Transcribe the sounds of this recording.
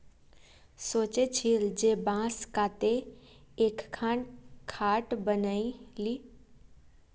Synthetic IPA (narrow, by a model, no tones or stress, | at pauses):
soːt͡ʃet͡ʃʰild͡ʒeːbãːskaːt̪eekkʰːãːɳkʰaːʈbənailiː